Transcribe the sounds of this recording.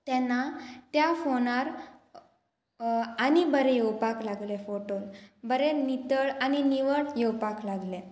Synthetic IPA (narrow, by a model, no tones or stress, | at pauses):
t̪ɛ̃nːat̪jafonaɾ | anibəɾɛjewpaklaɡlefoʈonbəɾenit̪əɭañiniʋəɽjewpaklaɡle